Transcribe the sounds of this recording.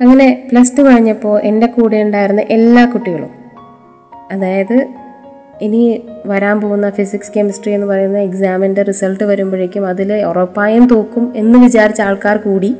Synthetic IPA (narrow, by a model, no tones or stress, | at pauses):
ɐŋːɐne̞plɐstːɨkɐɻiɲːɐpːo̞ːɭʔe̞nde̞kuːɽijuɳɖaːjiɾunːɨʔe̞lːaːkuʈːiɣɐɭṵm | ɐðaːjɐðɨ | eniʋɐɾaːmpo̞ːɣunːɐfisikskemɐsʈrie̞nːɨpɐrɐjunːɐeksaːmɐnderisɐlʈːɨʋɐɾumbɐɻekʲːumɐðilorɐpːaːjumt̪o̞ːkːume̞nːɨʋit͡ɕaːɾit͡ɕːaːɭkaːrkuːɽi